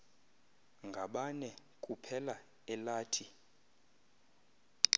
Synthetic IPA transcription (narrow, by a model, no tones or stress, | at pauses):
ŋɡʱaɓanɛ | kʼupʰɛla | ɛlaːtʰi